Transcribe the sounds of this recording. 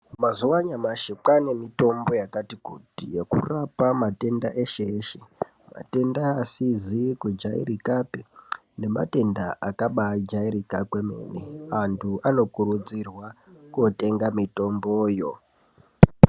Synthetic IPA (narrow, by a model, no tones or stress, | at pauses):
mazuwaɲamaʃek͡pane̞mito̞mbo̞jakatikutijekṵrapamate̞nda̰ʔeʃeːʃe | ma̰te̞ndaːsizikud͡ʒaḭrikape | ne̞ma̰te̞ndaʔakaɓad͡ʒaiɾikakweme̞̰neantʰuʔano̞kurud͡zirwakote̞ŋɡamito̞mboːjo̞